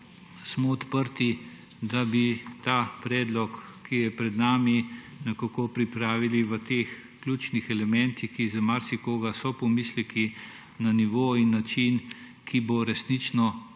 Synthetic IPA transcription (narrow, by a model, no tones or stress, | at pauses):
smɔːt̪pəɾt̪i | d̪abit̪aːpɾɛːd̪lɔkːijɛpɾɛd̪naːmi | nɐkakopɾipɾaːʋiliʋət̪eːx | klʲut͡ʃnixɛlɛmɛnt̪ixkizamaɾsikoːɡasɔpɔmislɛki | naniʋoːinːat͡ʃin | kʰiboɾɛsnit͡ʃnɔ